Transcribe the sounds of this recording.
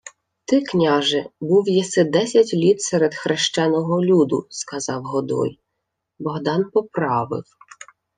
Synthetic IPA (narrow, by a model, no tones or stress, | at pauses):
t̪ɪknʲɑʒɛbuwjɛsɛd̪ɛsʲɐtʲlʲit̪sɛɾed̪xɾeʃt͡ʃɛnɔɦɔlʲud̪ʊ̰skɐzɑwɦɔd̪ɔ̰j | bɔɦd̪ɑnpɔpɾɑʋɪ̰w